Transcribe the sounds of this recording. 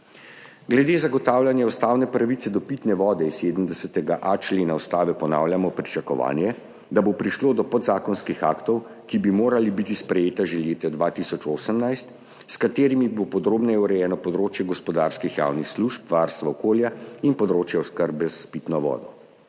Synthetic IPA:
ɡlɛd̪eːzaɡɔt̪awljanjɛust̪aːwnɛpɾaʋit̪sɛd̪ɔpit̪nɛʋɔːd̪ɛiseːd̪əmd̪ɛsət̪ɛɡaʔat͡ʃleːnaust̪aːʋɛpɔna̰ːwljamɔpɾit͡ʃakɔʋa̰ːnjɛ | d̪abopɾiʃloːd̪ɔpɔd̪zaːkɔnskixa̰ːkt̪ɔw | kibimoːɾalibit̪ispɾɛjeːt̪aʒeleːt̪ɛd̪ʋat̪isɔt͡ʃoːsəmnajst̪ | skat̪eːɾimibopɔd̪ɾoːbnɛjɛuɾɛjɛːnɔpɔd̪ɾoːt͡ʃjɛɡɔspɔd̪aɾskixja̰wnixsluʃpʋaːɾst̪ʋaɔkoːljainpɔd̪ɾoːt͡ʃjɛɔskəɾbɛzapit̪nɔʋɔ̰ːd̪ɔ

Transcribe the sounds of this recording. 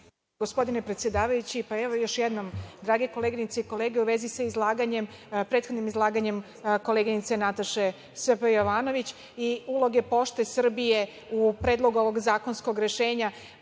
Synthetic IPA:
ɡospo̞d̪inepɾet̪sʲje̞d̪aːʋajut͡ɕipaeʋo̞jo̞ʃjed̪no̞md̪ɾaːɡeko̞leːɡiɲit̪seiko̞leːɡeuʋe̞zisaizlˠaːɡaɲempɾet̪xo̞d̪nimizlˠaːɡaɲe̞m | ko̞leɡinit̪se̞nat̪aʃe̞ | spejo̞ʋaːno̞ʋit͡ɕ | iulˠo̞ɡe̞po̞ʃt̪e̞sr̩bije | upɾe̞ːd̪lˠo̞ɡuo̞ʋo̞ɡzaːko̞nsko̞ɡɾe̞ʃe̞ːɲa

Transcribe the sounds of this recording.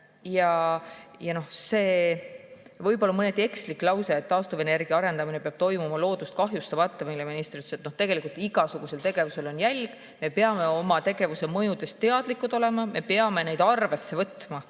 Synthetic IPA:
jɑ | jɑno̞hse̞ː | vɤjbo̞lːɑmɤnet̪ːˑie̞kslikːˑlɑwseːt̪ːɑːst̪uvene̞rɡ̥iɑɑɾe̞nd̪ɑminepeɑb̥̚t̪o̞jmumɑlo̞ːd̪ust̪̚kɑɦjust̪ɑvɑt̪ːemilːeminist̪ɾit̪yset̪no̞ht̪e̞ɡ̥e̞likult̪iɡ̥ɑsuɡ̥use̞lt̪e̞ɡ̥e̞vuse̞lo̞njælʲɡ̥ | me̞peɑme̞o̞mɑt̪e̞ɡe̞vuse̞mɤjud̪̥e̞st̪ːe̞ɑd̪̥likːˑut̪o̞le̞mɑme̞peɑme̞ne̞jd̪ɑrve̞sːe̞vɤt̪ːmɑ

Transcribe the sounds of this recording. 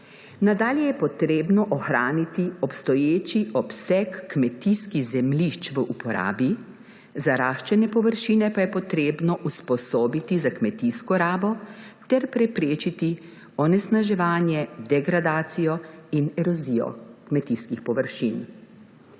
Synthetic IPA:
nad̪aːljɛjɛpɔt̪ɾeːbnɔʔɔxɾaːnit̪iɔpst̪ɔjeːt͡ʃiʔɔpsɛkːmɛt̪iskiɣzɛmliʃt͡ʃʋəʔupɔɾa̰ːbi | zaɾaːʃt͡ʃɛnɛpɔʋəɾʃiːnɛpajɛpɔt̪ɾeːbnɔʔuspɔsoːbit̪izakmɛt̪iskɔɾaːbɔt̪ɛɾpɾɛpɾeːt͡ʃit̪i | ɔnɛsnaʒɛʋaːnjɛd̪ɛɡɾad̪aːt̪sijɔinɛɾɔziːjɔ̰kmɛt̪iskixpɔʋəɾʃin

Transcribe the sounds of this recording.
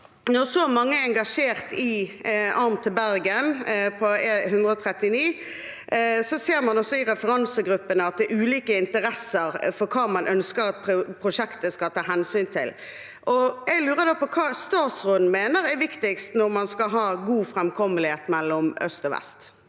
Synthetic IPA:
nɔʁsɔmɑŋːəɛɛŋɡɑʂeːʁt̪ʰɪʔɑʁmt̪ʰəbæɾɡənpʰɔɛhʉnd̪ʁəɔt̪ʰɾɛt̪ɪniː | sɔseːɾmɑnɔsɔɪɾɛfəɾɑnsəɡɾʉpːənəɑt̪̚d̪ɛɾʉːliːkəɪnt̪əɾɛsːəɾfɔɾkʰɑːmɑnʔœnskəɾɑt̪̚pʰpʰɾʊʂɛkt̪əskɑt̪ʰɑːɦɛnsyːnt̪ʰɪ̰l | ʔɔɛɡlʉːɾəd̪oːpɔkʰɑːst̪ɑːt̪sʁoːd̪n̩meːnəɾɛʋɪkt̪ɪkst̪nɔɾmɑnskɑɦɑːɡuːfʁɛmkʰɔməlɪheːt̪mɛlːɔmœ̰st̪ɔʋɛ̰st̪

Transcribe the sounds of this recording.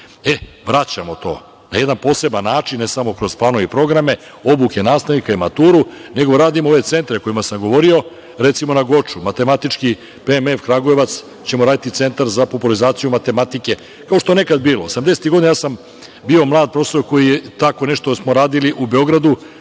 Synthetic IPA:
e | ʋɾat͡ɕamo̞t̪o̞̰ː | najed̪anpo̞se̞banːaːt͡ʂinːesamo̞kɾo̞zplˠaːno̞ʋipɾo̞ɡɾame̞ | o̞bukenaːst̪aʋnikaimat̪uːɾune̞ɡo̞ɾaːd̪imoo̞ʋe̞t̪se̞nt̪ɾeko̞imasamɡo̞ʋo̞ɾio̞ | ɾe̞t̪simo̞naɡo̞t͡ʂumat̪e̞mat̪it͡ʂki | pemefkɾaɡojeʋat̪s | t͡ɕe̞moɾaːd̪it̪it̪se̞nt̪aɾzapopulizaːt̪sijumat̪e̞mat̪ike̞ | kao̞ʃt̪oene̞kad̪̚biːlˠoosamd̪eset̪iɡod̪inajasam | biːo̞mlˠaːd̪̚pɾo̞sojko̞jijet̪ako̞ne̞ʃt̪osmo̞ɾaːd̪iliʔubeo̞ɡɾad̪u

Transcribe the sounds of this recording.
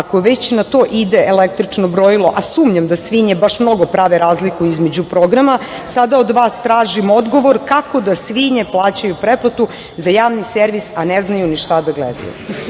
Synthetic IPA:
akoʋet͡ɕnat̪o̞ːʔid̪eʔelekt̪ɾit͡ʂnobɾo̞jilˠo̞ʔasuːmɲamd̪asʋiɲebaʃmno̞ɡo̞pɾaʋeɾaːzlikuizme̞d͡ʑupɾo̞ɡɾama | sad̪ao̞d̪ʋaːst̪ɾaːʒimo̞d̪ɡo̞ʋo̞ɾkako̞d̪asʋiɲeplˠaːt͡ɕajupɾeplˠat̪u | zajaːʋniseɾʋisaneznajuniʃt̪ad̪aɡlḛd̪a̰jṵ

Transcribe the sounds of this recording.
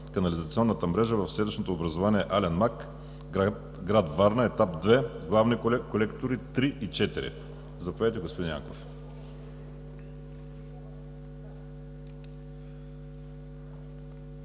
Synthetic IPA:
kɐnɐlizɐt̪siɔnːət̪əmɾɛʒəvɐfsɛd̪iʃnot̪oːbɾɐzovaniɛʔalɛnmak | ɡɾad̪vaɾnəɛt̪ap̚d̪vɛɡlˠavnikkolɛkt̪oɾit̪ɾiʔit͡ʃɛt̪iɾḭ | zɐpɐvɛt̪ɛɡospod̪inja̰ko̰f

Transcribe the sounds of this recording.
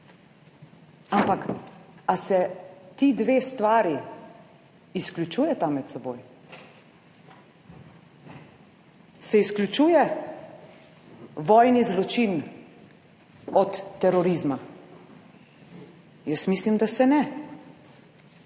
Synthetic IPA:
ampakasɛt̪iːd̪ʋeːst̪ʋaːɾi | sklʲut͡ʃuːjɛt̪amːɛt̪sɛboːj | sɛisklʲut͡ʃuːjɛ | ʋɔːjnizlɔt͡ʃin | ɔt̪ːɛɾɔɾizma | jəsmiːslimd̪asɛnɛ

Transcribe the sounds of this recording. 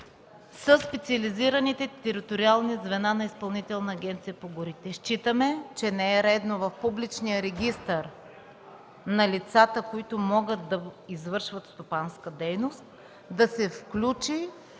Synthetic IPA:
səspɛt̪siɐliziɾɐnit̪ɛt̪ɛɾit̪oɾialˠnizvɛnanɐispɐlˠnit̪ɛlˠnɐːɡʲɛnt̪sijəpoɡʊɾit̪ɛʃt͡ʃit̪əmɛt͡ʃɛnɛɛɾɛd̪novɐfpublit͡ʃnijəɾɛɡʲist̪əɾ | nɐlit̪sat̪əkoit̪ʊmɔɡət̪̚d̪ɐizvɤɾʃvɐt̪st̪opanskəd̪ɛjnost̪̚ | d̪ɐsɛfklʲut͡ʃi

